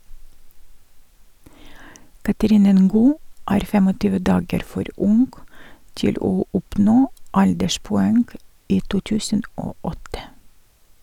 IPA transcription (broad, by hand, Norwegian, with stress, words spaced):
kɑtəˈɾiːnə ˈŋɡuː ˈæːɾ ˈfeːm ˈoː ˈtʏʋə ˈdɑːɡəɾ ˈfɔɾ ˈʔʊŋɡ ˈtɪl ˈoː ˈʔʊpnoː ˈɑʎdəʃpʊˌæŋɡ ˈiː ˈtuː ˈtʉːsn̩ ˈʔoː ˈʔɔtə